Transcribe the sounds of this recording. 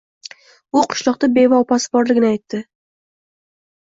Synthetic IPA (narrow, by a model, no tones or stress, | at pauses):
ʊqʰʊ̥ʃlˠɒq̚t̪abe̞vɒːpasɪ̥bɒɾlɪɡʲɪnɪajt̪ːɪ